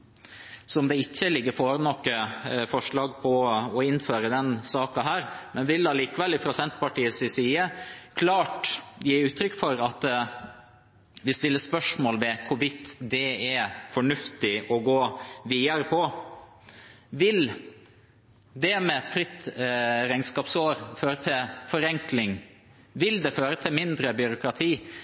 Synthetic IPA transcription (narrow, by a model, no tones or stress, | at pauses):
sɔmd̪ɛɪçːəlɪɡːəɾfɔɾnɔkːəfɔʂɭɑːɡpʰɔɔɪnføːɾəd̪ɛnsɑːkɑɦæːɾmɛnʋɪlɑliːkəʋɛlːɪfɾɑsɛnt̪pɑʈiːəsɪsiːəkʰlɑːʈjiːʉːt̪ɾʏkːfɔɾɑt̪ | ʋɪst̪ɪlːəspœʂmoːlʋɛkʰʊʋɪt̪ːd̪ɛɛfɔɳʉft̪ɪʔɔɡoːʋiːəɾəpʰɔ | ʋɪl | d̪ɛmɛɛt̪fɾɪt̪ɾæɪŋskɑːpsoːɾføːɾət̪ʰɪlfɔɾɛŋklɪŋ | ʋɪld̪ɛføːɾət̪ʰɪmɪnd̪ɾəbʏɾʊkɾɑt̪ʰiː